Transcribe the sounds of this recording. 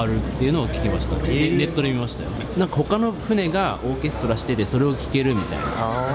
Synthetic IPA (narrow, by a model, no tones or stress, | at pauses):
aɾɯ̟t̪ːe̞jiɯ̟no̞ːkʲi̥kʲemaɕi̥t̪a̰nd̪eɾe̞t̪ːo̞ɾemʲimaɕi̥t̪a̰jonãŋkaho̞kano̞ɸɯ̟ne̞ɡao̞ːkʲe̞sɨ̥t̪o̞ɾaɕi̥t̪e̞t̪e̞so̞ɾe̞o̞kʲi̥ke̞ɾɯ̟mʲit̪a̰ḭna̰